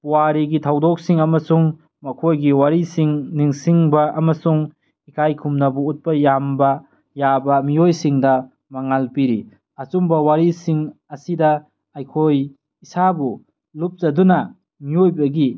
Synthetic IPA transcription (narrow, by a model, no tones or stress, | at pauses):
puwaɾiɡitʰawdɔk̚siŋɐmɐsuŋ | mɐkʰojɡiwaɾisiŋniŋsiŋbɐɐmɐsuŋ | ikʰajkʰumnɐbuut̚pɐjambɐ | jabɐmiojsiŋdɐ | maŋalpiɾḭ | ɐt͡ʃumbɐwaɾisiŋɐsidɐ | ajkʰoj | isabu | lup̚zɐdunɐ | miojbɐɡi